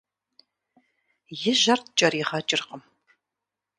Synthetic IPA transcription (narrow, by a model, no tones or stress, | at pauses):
jɪʒɐrt̪̚ʰt͡ʃʼɐɾiʁɐt͡ʃʼɪrqəm